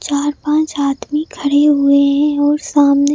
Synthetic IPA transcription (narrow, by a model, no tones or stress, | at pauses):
t͡ʃaːɾpãːt͡ʃaːd̪mikʰɐɽeɦʊeɦɛ̃ɔːɾsaːmne